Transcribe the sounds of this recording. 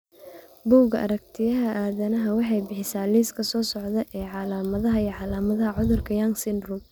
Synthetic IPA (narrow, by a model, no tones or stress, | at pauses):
buːɡɐɐ̰ɾɐkt̪ʰɪjɐɦɐʔaːðɐnɐɦɐwɑħɑjbɪħɪsaːliːskʰɐsɔːsɔʕðɐʔɛːʕɑlaːmɐðɐɦɐiːʕɑlaːmɐðɐɦɐʕʊðʊrkʰɐjaŋsɪnrʊm